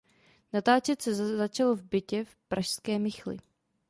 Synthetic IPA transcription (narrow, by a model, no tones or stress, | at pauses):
nat̪aːt͡ʃɛt̪sɛzat͡ʃalovbɪcɛfpɾaʃskɛːmɪxlɪ̰